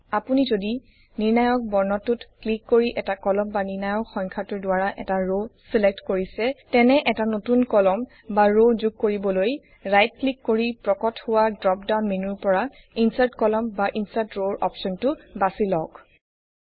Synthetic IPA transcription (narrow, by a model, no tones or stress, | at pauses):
apunizodi | niɹnajɔk̚bɔɹnɔtutklikːoɹiʔɛtakɔlɔmbaniɹnajɔkxɔŋkʰatʊdʊwaɹaʔɛ̰taɹosilɛk̚tkoɹisɛtɛnɛʔɛtanotunkɔlɔm | baɹozuɡ̚koɹibɔloj | ɹajt̚klikːoɹipɹɔkɔthʊwadɹɔp̚dawnminuɹpɔɹa | insaɹtkɔlɔmbaʔinsatɹoɹʔɔ̰psɔntʊbasilɔk